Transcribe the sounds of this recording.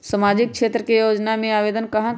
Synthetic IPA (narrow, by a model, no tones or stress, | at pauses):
səmaːd͡ʒɪk̚kʃeːt̪ɾəkejoːd͡ʒnamẽaːʋeːd̪ənkɐɦã